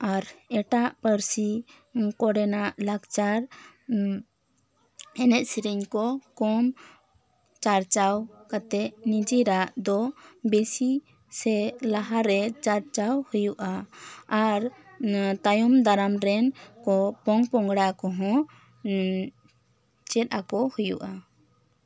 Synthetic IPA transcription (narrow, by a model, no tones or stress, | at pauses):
aɾɛʈaʔpəɾsi | kɔɽɛnaʔlaɡt͡ʃaɾ | ɛnɛt̪̚siɾɛɲkɔkɔm | t͡ʃaɾt͡ʃawkat̪ɛʔnid͡ʒiɾaʔd̪ɔbesi | sɛlaɦaɾɛt͡ʃaɾt͡ʃawhujuʔaː | ɾ | t̪ajɔmd̪aɾamɾɛnkɔpɔŋpɔŋɡɽakɔɦɔ̃ | t͡ʃɛt̪̚ʔakɔhujuʔa